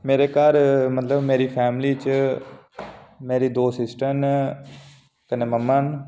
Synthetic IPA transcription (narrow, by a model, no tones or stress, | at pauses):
meːɾeːkaɾmət̪ləbmeːɾiːpʰɛːmliːt͡ʃ | meːɾiːd̪oːsɪsʈən | kəneːməmːən